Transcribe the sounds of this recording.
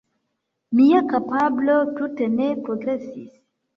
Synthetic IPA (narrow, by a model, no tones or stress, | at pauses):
miakapablotutenepɾoɡɾesḭs